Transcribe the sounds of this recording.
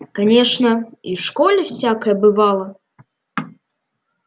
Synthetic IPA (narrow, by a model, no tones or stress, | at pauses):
kanʲɛʂnɐiwʂkɔlʲɛwsʲakɐjɐbɨvalˠɐ